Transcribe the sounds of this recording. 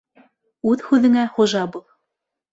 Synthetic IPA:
ʉðhʉðɘ̆ŋæχŏʒɑbulˠ

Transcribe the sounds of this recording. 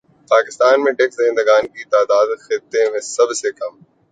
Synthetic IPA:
paːkɪst̪aːnmẽʈeksẽnd̪əɡaːnkit̪aːd̪aːd̪xɪt̪ːemẽsɐbsekɐm

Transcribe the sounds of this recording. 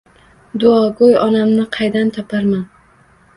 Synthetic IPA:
d̪ʊɒɡojɒnamnɪqʰɑjd̪ant̪ʰɒpʰaɾman

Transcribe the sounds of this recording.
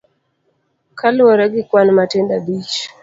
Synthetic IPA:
kʰalwaɾaɡikwanmatɛndabiʃḁ

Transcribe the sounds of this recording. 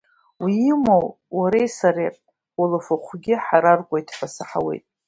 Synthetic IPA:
wiːmow | waɾejsaɾepʼ | olafoχʷɡʲɪħaɾarkʷʼajtʰħasɨħawe̞̰jtʼ

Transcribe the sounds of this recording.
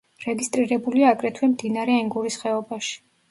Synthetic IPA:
ɾɛɡist̪ʼɾiɾɛbuliaːkʼɾɛt̪ʰwɛmd̪inaɾɛɛŋɡuɾisχɛɔbaʃi̥

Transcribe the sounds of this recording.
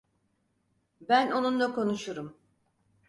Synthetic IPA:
bæno̞nunlˠako̞nuʃuɾum

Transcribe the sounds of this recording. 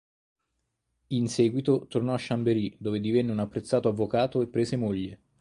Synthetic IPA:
insɛːɡwit̪ot̪ornɔaʃːambeɾid̪oːved̪ivɛnːeunapːɾet̪sːaːt̪oavːokaːt̪oepːɾeːszemoʎːe

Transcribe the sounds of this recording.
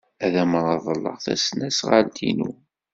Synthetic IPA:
æðæmɾˤɑðˤəlːə̰ʁθæ̰snæsʁəlt̪ʰinu

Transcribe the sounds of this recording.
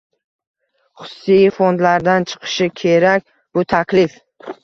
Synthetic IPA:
χʊ̥sːijfond̪laɾd̪ant͡ʃʰɨ̥qʰɨ̥ʃɪkʲʰe̞ɾakʲ | bʊt̪ʰakʲlɪf

